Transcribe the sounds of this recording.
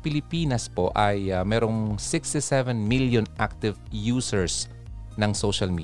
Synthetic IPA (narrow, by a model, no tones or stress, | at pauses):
pɪlɪpiːnɐspoʔɐjamɛːɾoŋsɪkst̪ɪsɛvɛnmiljonʔak̚t̪ɪvjuːsɛɹs | nɐŋsoʃɐlmḭː